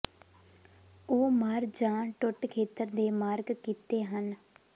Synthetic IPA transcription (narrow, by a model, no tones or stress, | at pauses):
oːmaːɾd͡ʒãːʈʊʈkʰeːt̪əɾd̪eːmaːɾɡkiːt̪eːɦən